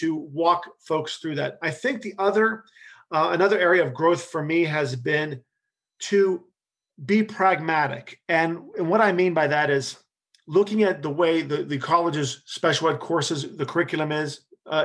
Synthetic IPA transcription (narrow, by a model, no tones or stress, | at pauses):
tʰɨwɔkfoʊksθɹʉðɨ̰ɾ̚aɪθɪ̃ŋk̚ðiʔʌðə˞ | ənʌðə˞ɛɹiɨʌvɡɹoʊθfə˞miɨzbɪ̃n | tʰɨ | bipʰɹ̥æɡ̚mæɾɪ̰kɨ̃nɨ̃nwʌɾaɪmĩnbaɪðɨɾɪz | lʊkɪ̃ŋɨt̪̚ðəweɪðɨðɨkʰɑlˠəd͡ʒɨz̥spɛʃl̩ˠəd̚kʰɔɹsɨzðɨkʰə˞ɪkjl̩ˠə̃mɪz